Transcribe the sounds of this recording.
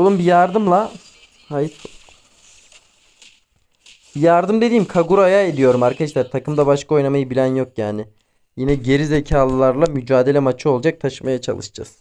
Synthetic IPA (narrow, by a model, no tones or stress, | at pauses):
olˠumbijaɾd̪ɯmlˠa | hajif | b̥ijaɾd̪ɯmd̪e̞d̪iːmkʰaɡuɾaajae̞d̪ijo̞ɾumaɾkʰaʃlʲæɾt̪ʰakɯmd̪abaʃkʰao̞jnamajɯbilʲænjo̞kjaːnɪ | jinɛɟe̞ɾize̞cʰaːlˠɯlˠaɾlˠamyd͡ʒaːd̪e̞lʲɛmat͡ʃʰɯo̞lˠd͡ʒak̚t̪ʰaʃɯmajat͡ʃʰa̰lˠɯ̰ʃd͡ʒa̰z̥